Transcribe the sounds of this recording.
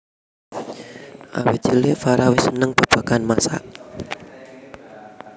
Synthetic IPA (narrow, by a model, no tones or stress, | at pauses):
ʔa̰wɪt͡ʃilefaɾawɪsənəŋb̥a̤b̥a̤kanmasa̰ʔ